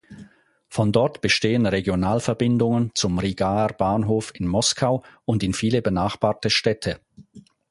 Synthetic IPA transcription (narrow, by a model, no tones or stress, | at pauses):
fɔndɔɐtb̥əʃteːənʁeɡjonaːlfɛɐbɪndʊŋənt͡sʊmʁiɡaːb̥aːnɦoːfɪnmɔskʰaʊʊndɪnfiːləbənaːχb̥aːɐtəʃtɛtʰə